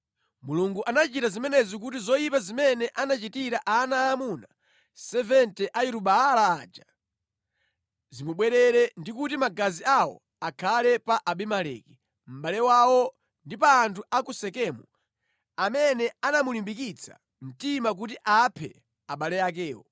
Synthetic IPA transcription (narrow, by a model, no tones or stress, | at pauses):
muluŋɡuʔanat͡ʃitazimɛnɛzik̬ut̬izɔjipazimɛnɛʔanat͡ʃitiɾaʔaːnaːmuna | sɛvɛntɛʔajiɾuɓaalaːd͡ʒa | zimuɓwɛɾɛɾɛndikutimaɡaziawɔ̰ | akʰalɛpaʔaɓimalɛ̰ki | m̩ɓalɛwawɔ | ndipaːntʰuakusɛkɛmu | amɛnɛanamulimbik̬it͡sʰḁ̰ | m̩timak̬utiʔapʰɛ̰ | aɓalɛjak̬ɛːwɔ̰